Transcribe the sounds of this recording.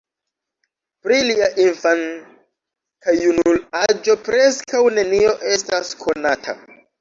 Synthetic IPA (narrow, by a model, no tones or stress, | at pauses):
pɾiliaʔinfan | kajunulad͡ʒo̞pɾe̞skawne̞nio̞ʔe̞staskʰo̞natʰa̰